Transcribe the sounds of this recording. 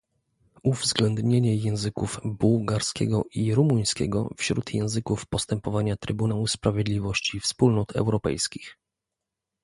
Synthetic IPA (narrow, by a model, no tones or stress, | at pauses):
uvzɡlɛnd̪ɲeɲɛjɛ̃w̃zɘkuvbuwɡaɾskʲɛ̰ɡɔʔiɾumuj̃skʲɛ̰ɡɔ̰fɕɾut̪jɛ̃w̃zɘkufpɔst̪ɛmpɔvaɲat̪ɾɘbunawuspɾavʲjed̪lʲivɔɕt͡ɕifspulnɔt̪ʰɛ̰wɾɔpɛ̰jskʲix